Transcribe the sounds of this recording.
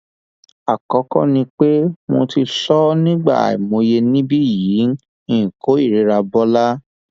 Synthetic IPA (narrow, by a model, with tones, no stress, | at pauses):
a˨kɔ˨˦kɔ̰˦nĩ˧k͡pe˦mo˧ti˧sɔ˦nĩ˦ɡ͡ba̰˦˨ḭ˨mõ˧je˧nĩ˦bi˦˨ji˨˦n̩˦ | ĩ˦˨ko˨˦i˦˨ɾe˨˦ɾa˧bɔ˦la˦